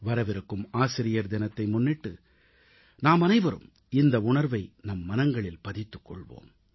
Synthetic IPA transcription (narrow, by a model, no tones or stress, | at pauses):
ʋɐɾɐʋɪɾɯkːɯmaːsɪɾɪjɐɾd̪ɛnɐt̪ːɐɪmʊnːɪʈːɯ̰ | naːmɐnɐɪʋɐɾɯ̰m | ɪnd̪ɐʊɳɐɾʋɐɪnɐmːɐnɐŋɡɐɭɪlpɐðɪt̪ːɯ̥kːɔ̰ɭʋo̰ːm